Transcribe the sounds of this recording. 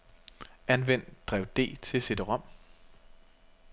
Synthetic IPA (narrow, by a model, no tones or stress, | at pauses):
ænʋen̰d̥d̥ʁɛʊd̥e̝̰ːt͡sʰe̝se̝d̥əʁɒ̽m̰